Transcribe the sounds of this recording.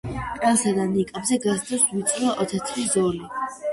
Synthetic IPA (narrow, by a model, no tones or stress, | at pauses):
pʼɛlˠsad̪anikʼabzɛɡasd̪ɛswit̪sʼɾaʔɔt̪ʰat̪sʰvizɔli